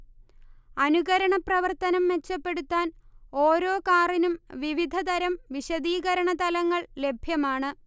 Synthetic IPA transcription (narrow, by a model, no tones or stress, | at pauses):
ɐnuɣɐɾɐɳɐprɐʋɐrt̪ɐnɐmʋe̞t͡ɕːɐpːe̞ɽut̪ːaːno̞ːɾo̞ːkaːrinumʋiʋid̪ʱɐd̪ɐɾɐmʋiɕɐd̪iːɣɐɾɐɳɐt̪ɐlɐŋːɐɭle̞bʱjɐmaːɳɨ